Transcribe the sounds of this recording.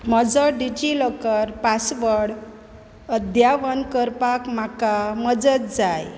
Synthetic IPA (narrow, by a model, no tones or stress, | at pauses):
məd͡zəɖid͡ʑiləkəɾpasʋəɽ | əd̪jaʋənkəɾpakm̤akaməd͡zət̪̚d͡zaj